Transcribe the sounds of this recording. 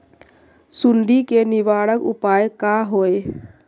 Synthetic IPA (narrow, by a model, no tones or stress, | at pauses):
sʊɳɖikenɪʋaːɽəkʊ̰paːjkaːɦoːe